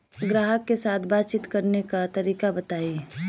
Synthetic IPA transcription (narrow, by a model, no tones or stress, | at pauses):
ɡɾaːɦəkːesaːt̪ʰbaːt͡ʃɪt̪kɐɾnekat̪ɐɾiːkabɐt̪aːi